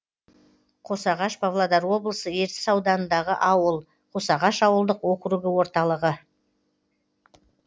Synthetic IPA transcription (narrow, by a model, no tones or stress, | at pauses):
qʰo̞sɑʁɑʃbavlˠad̪ɑɾwo̞blˠəsəe̞ɾt̪ɪ̥sɑwd̪ɑnənd̪ɑʁəʔɑwəlˠ | qʰo̞sɑʁɑʃɑwəlˠd̪əqwo̞qəɾuɡʲɪwo̞ɾt̪ɑlˠəʁə